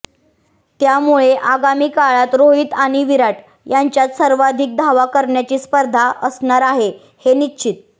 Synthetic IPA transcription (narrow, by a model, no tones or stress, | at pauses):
t̪jamuɭeʔaɡamiːkaɭat̪ɾoɦiːt̪aɽ̃iʋiɾaʈ | jaɲt͡ɕjat̪səɾʋad̪ʱik̚d̪ʱaʋakəɾɳjat͡ɕiːspəɾd̪ʱaʔəsɳaɾaɦe | henitːɕʰit̪̚